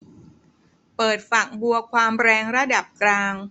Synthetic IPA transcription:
pɤː˨˩t̪̚fa˨˩k̚bu˧ɐkʰwaː˧mɾɛː˧ŋɾa˦˥˩da˨˩p̚klaː˧ŋ

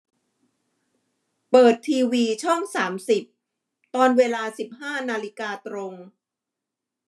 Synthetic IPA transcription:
pɤː˨˩t̪ʰːiː˧wiː˧t͡ɕʰɔ˥˩ŋsaː˩˦msi˨˩p̚ | t̪ɔː˧nweː˧laː˧si˨˩p̚haː˥˩naː˧li˦˥kaː˧t̪ɾo˧ŋ

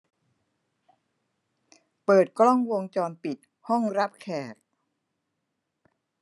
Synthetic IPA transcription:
pɤː˨˩t̪̚klɔ˥˩ŋwo˧ŋt͡ɕɔː˧npi˨˩t̪̚ | hɔ˥˩ŋɾa˦˥p̚kʰɛː˨˩k̪̚

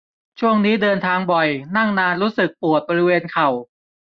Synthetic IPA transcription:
t͡ɕʰu˥˩əŋniː˦˥dɤː˧nt̪ʰaː˧ŋbɔ˨˩jna˥˩ŋnaː˧nɾuː˦˥sɯ˨˩k̚pu˨˩ət̪̚bɔː˧ɾi˦˥weː˧nkʰa˨˩w

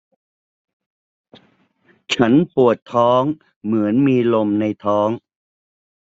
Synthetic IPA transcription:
t͡ɕʰa˦˥npu˨˩ət̪ʰːɔː˦˥ŋ | mɯ˩˦ənmiː˧lo˧mna˧jt̪ʰɔː˦˥ŋ

